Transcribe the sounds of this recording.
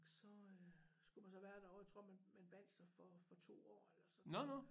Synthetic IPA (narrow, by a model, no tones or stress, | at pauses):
sɒ̽øsɡ̥umænsɒ̽ʋæːɐd̥æɒʊt͡sʰʁo̝̰ɐ̰mænmænb̥æn̰d̥sɑfɒfɒ̽t͡sʰo̝̰ːɒ̰ːelɐsɒ̽nɔnɔ